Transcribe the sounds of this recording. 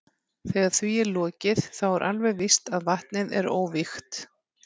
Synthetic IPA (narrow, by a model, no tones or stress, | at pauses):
θɛːɣaɾ̥θviɛɾlɔːcɪðθawɛɾʔalvɛɣvɪst̪aðvaht̪nɪðɛ̰ɾo̰ːwvɪxt̪